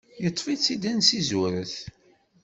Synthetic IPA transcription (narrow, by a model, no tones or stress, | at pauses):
jət̪ˤːfit͡sːid̪ænsizuɾəθ